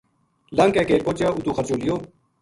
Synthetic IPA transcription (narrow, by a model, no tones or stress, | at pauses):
ləŋkɛ̃ːkeːɾpoːt͡ʃaːut̪uːxəɾt͡ʃoːlɪjoː